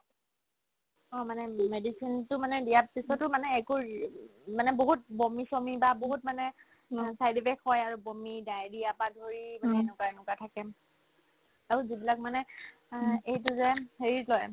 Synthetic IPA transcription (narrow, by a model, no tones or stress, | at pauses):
ɔmanɛmedisintʊmanɛdijapisɔtʊmanɛːku | manɛboɦut̚bomisomibaboɦut̚manɛ | sajdipʰɛkhɔjaɹubomidajɹiapadʱoɹimanɛɛnukaɛnʊkatʰakɛ | aɹuzibilak̚manɛ | ejtʊzɛheɹilɔj